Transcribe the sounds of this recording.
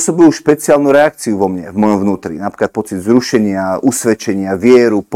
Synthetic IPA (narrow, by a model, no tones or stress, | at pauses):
sɔbiluʃpɛt͡siaːlnuɾɛak̚t͡siuʋɔmɲɛvmɔjɔmvnuːt̪ɾḭnapɾiklat̪̚pɔt͡sid̪zɾuʃɛɲɪausʋɛt͡ʃɛɲɪaʋɪɛɾup